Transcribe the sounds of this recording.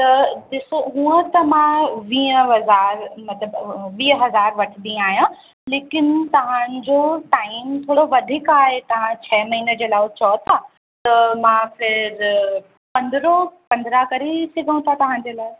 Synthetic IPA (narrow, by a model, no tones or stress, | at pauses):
t̪ɐɗɪsoɦũːə̃t̪ɐmãʋĩːəɦɐzaːɾmɐt̪ləbʋiːəɦɐzaːɾʋɐʈʰɪd̪ĩaːɦjã | leːkɪnɪt̪ɐʋ̤ãd͡ʑoːʈaːɪmt̪ʰoːɽoʋɐd̪ʱikaːɦet̪ɐʋ̤ãt͡ɕʰɛːmɐɦiːnə̆d͡ʑeːlaːt͡ɕɐt̪ʰa | t̪ɐmãfɪɾ | pɐ̃nd̪ɾopɐ̃nd̪ɾakɐɾesɪɡʱə̃ũt̪ʰat̪ɐʋ̤ãd͡ʑeːlaːɪ